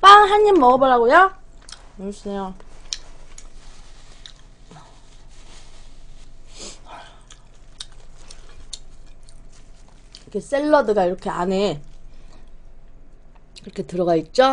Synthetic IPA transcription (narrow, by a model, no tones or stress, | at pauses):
p͈anɦanːimːʌʌbʌɾaɡojo | mosʰinejo | kʰes͈eɭːʌdɯɡaiɾʌkʰeane | iɾʌkʰe̞tɯɾʌɡait̚t͡ɕ͈o